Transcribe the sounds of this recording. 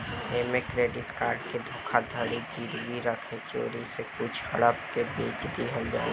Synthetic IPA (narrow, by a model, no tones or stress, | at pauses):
eːmekɾeːɖɪʈkaːɾɖked̪ʱʊ̃ːkʰad̪ʱəɽid͡ʒiːɾbiɾəkʰet͡ʃo̰ːɾisekʊt͡ʃʰə̰ɽəpkebeːt͡ʃd̪iɦəld͡ʒa̰ː